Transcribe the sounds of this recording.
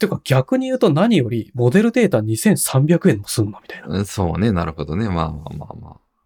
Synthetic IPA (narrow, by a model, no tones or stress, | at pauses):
t̪ejɯ̟kaɡ̥ʲakɯ̟ɲ̟ijɯ̟ːt̪o̞naɲ̟ijo̞ɾʲimo̞d̪e̞ɾɯ̟d̪e̞ːt̪aɲ̟isẽ̞ɰ̃sãmbʲakɯ̟ẽ̞mmo̥sɨnːo̞mʲi̥t̪ainaso̞ːne̞naɾɯ̟ho̞d̪o̞ne̞maːma̰ːma̰ːma̰ː